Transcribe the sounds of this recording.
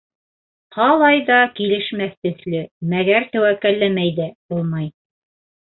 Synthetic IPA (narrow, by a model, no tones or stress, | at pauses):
qʰɑlˠɑjðɑkilɘ̆ʃmæθt̪ɵ̆θlɘmæɡæɾt̪æwækːælːæmæjðæbulˠmɑj